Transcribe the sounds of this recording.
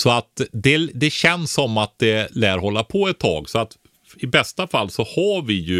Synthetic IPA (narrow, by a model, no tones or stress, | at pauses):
sɔat̪d̪ɛd̪ɛɕɛnsːɔmːat̪̚d̪ɛlæːɾɦɔlːapʰɔɛt̪ʰːɑ̰ːɡsɔat̪ | ɪbɛst̪afalːsɔhavɪjɵ